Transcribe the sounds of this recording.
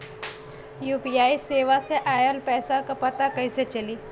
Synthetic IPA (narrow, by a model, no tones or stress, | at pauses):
jupiaiseʋaseʔajəlpɛsakəpət̪akəjset͡ʃəliː